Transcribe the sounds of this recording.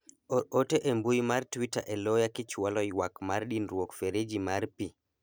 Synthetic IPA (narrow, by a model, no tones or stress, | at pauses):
oteʔembujmartwita̰ʔɛlojakɪt͡ʃwalɔwakmarɗinɾwokfeɾed͡ʒimarpi